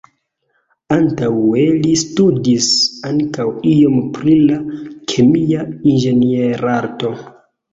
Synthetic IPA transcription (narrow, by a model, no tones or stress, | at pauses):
antawe̞listudisaŋkawio̞mpɾilakʰemiainʒe̞nieɾaɾto̞